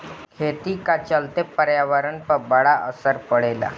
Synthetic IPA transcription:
kʰet̪iːkat͡ɕəlt̪epəɾjaʋaɾəɳpəbəɽaʔəsəɾpəɽela̰

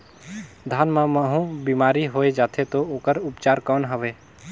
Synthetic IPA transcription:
d̪ʱaːnmãməɦũbimaːɾiɦoːed͡ʒaːt̪ʰet̪ooːkəɾʊpt͡ʃaːɾkɔːnɦəʋeː

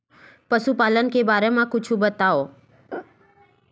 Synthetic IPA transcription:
pəʃupaːlənkebaːɾemãkʊt͡ʃʰũbət̪ao

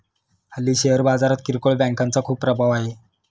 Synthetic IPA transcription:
həlːiːɕeɦəɾbad͡zaɾat̪̚kiɾkoɭbɛ̃ŋkant͡sakʰuːp̚ːɾəbʱaʋaɦe

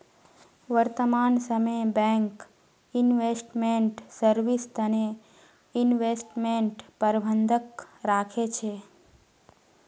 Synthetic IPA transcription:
ʋəɾt̪əmansəmejbɛ̃ŋk | inʋesʈmeɳʈsəɾʋist̪əne | ɪnʋesʈmeɳʈpəɾbʱənd̪ʱəkɾakʰet͡ʃʰe

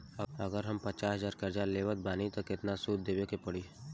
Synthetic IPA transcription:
əɡəɾɦɐmpɐt͡ʃaːsəzaːɾkɐɾd͡ʒaleːʋət̪̚baːnit̪okɪt̪nasuːd̪̚d̪eːʋekepəɽiː

